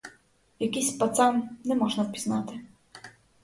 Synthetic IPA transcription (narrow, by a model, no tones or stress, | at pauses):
jakʲiɕpat̪samnɛmɔʐnapʲiznat̪ɛ